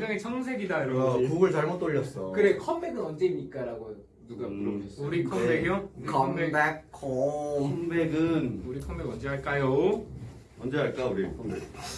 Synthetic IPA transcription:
iaŋet͡ɕʰʌŋsʰe̞ɡidaiɾʌkoɡɯɭt͡ɕaɭmʌt͈ʌɭːʌs͈ʌkɯɾekʰʌmbe̞ɡɯnʌnd͡ʑe̞imɲik͈aɾaɡojo | nuɡapɯɾoes͈uɾikʰʌmbeɡjokʰʌmbakʰːoʌmbeɡɯnuɾikʰʌmbeɡʌnd͡ʑeɦaɭk͈ajo | ʌnd͡ʑeɦaɭk͈auɾikʰʌmbeɡɯ

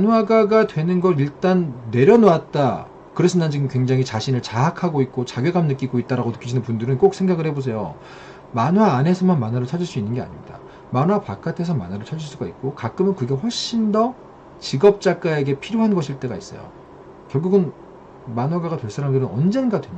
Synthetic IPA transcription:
anwaɡaɡadwe̞nɯnɡʌɾiɭt͈anːe̞ɾjʌnoat̚t͈a | kɯɾesʰɯnant͡ɕiɡɯmkweŋd͡ʑaŋit͡ɕaɕʰinɯɭt͡ɕaɦakʰaɡoit̚k͈ot͡ɕaɡjeɡamnɯk͈iɡoit̚t͈aɾaɡonɯk͈ʰid͡ʑinɯnpundɯɾɯnk͈ok̚sʰeŋɡaɡɯɭhe̞bos̬ʰe̞jo̰ | manwaːne̞sʰʌmanmanwaɾɯɭt͡ɕʰad͡ʑiɭs͈uinːɯnɡe̞a̰ɲimɲida̰ | manwapak͈atʰe̞sʰʌmanwaɾɯɭt͡ɕʰad͡ʑiɭs͈uɡait̚k͈okak͈ɯmɯnkɯɡe̞ɸwʌɭɕ͈indʌ | t͡ɕiɡʌp̚t͡ɕ͈ak͈ae̞ɡe̞pʰiɾjoɦanɡʌɕʰiɭt͈e̞ɡais͈ʌ̰jo̰ | kjʌɭɡuɡɯn | manwaɡaɡadwe̞ɭs͈aɾamdɯɾɯnʌ̰nd͡ʑe̞nɡadwen

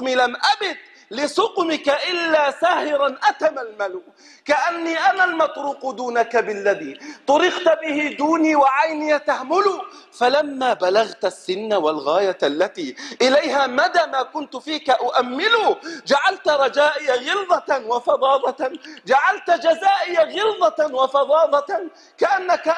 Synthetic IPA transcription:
milamʔabɪt̪ | lɪsˤʊqmɪkaʔɪlːaːsaːhɪɾanʔat̪amalmalu | kaʔanːiːʔamalmɑt̪ˤɾuːqd̪uːnakabɪlːaðiːt̪ˤʊɾɪqt̪bɪhɪd̪uːniːwaʕajnɪjat̪ahmʊlʊ | falamːaːbalaɣt̪asːɪnːawalɣaːjaʔalːat̪iːʔɪlajɦaːmad̪aːmaːkʊnt̪fiːkaʔʊʔamːɪlud͡ʒaʕalt̪ɾˤɑd͡ʒaːʔɪjaɣɪlðˤɑwɑfɑd̪ˤɑːðˤɑd͡ʒaʕalt̪d͡ʒazaːʔɪjaɣɪlðˤɑwɑfɑd̪ˤɑːðˤɑ | kaʔanːaka

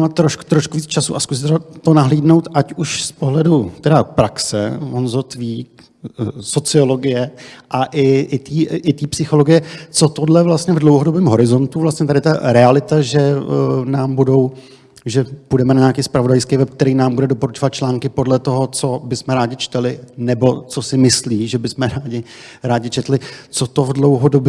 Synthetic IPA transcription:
mat̪ːɾo̞ʃku̥t̪ɾoʃkuviːt͡st͡ʃasṵʔaskus̬ɪt̪ɛat̪onaɦliːdno̞wt̪ʔacuʃspoɦlɛdut̪ɛdapɾaksɛ̰onzot̪viːk | so̞t͡sɪo̞lo̞ɡɪjɛʔaʔɪʔɪt̪iːɪt̪iːpsɪxo̞loɡɪjɛt͡so̞t̪odlɛvlast̪ɲɛvdlo̞wɦodobɛːmɦo̞ɾɪzo̞nt̪uvlast̪ɲɛt̪adɪt̪aɾɛalɪt̪aʒɛnaːmbudo̞w | ʒɛpudɛmɛnaɲaakiːspɾavo̞dajskejvɛp̚k̚t̪ɛɾiːnaːmbudɛdopo̞ɾut͡ʃo̞vat̪̚t͡ʃlaːŋkɪpo̞dlɛt̪o̞ɦo̞t͡so̞bɪsmɛɾaːɟɪt͡ʃt̪ɛlɪnɛbo̞t͡so̞sɪmɪsliːʒɛbɪsmɛɾaːɟɪ | ɾaːɟɪt͡ʃɛt̪lɪt͡so̞t̪o̞vdlo̞wɦodob

